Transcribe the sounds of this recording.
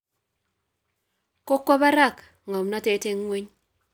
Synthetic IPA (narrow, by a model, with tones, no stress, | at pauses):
ko˦kːɔ˦ba˦ɾa˦˨k | ŋɔ˨mna˦te˨˦te˦ŋwe˦ɲ